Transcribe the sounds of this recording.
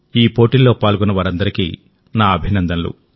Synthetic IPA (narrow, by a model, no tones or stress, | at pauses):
iːpo̞ːʈilːo̞ːpaːlɡunɐʋaːɾɐnd̪ɐɾikḭː | naːɐbʱinɐnd̪ɐnlṵ